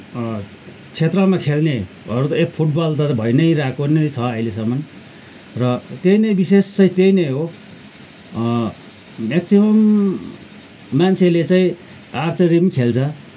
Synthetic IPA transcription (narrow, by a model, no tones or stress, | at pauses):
t͡sʰet̪rʌmakʰelne | ʌɾut̪ʌekpʰuʈ̚bʌlt̪ʌt̪bʱʌjnʌjɾakonʌjt͡sʰʌʌilesʌmʌn | rʌt̪ejnʌjbisest͡sʌĩt̪ejnʌjɦo | maksimʌm | ant͡sʰelet͡saĩ | art͡sʌɾimkʰelt͡sʰʌ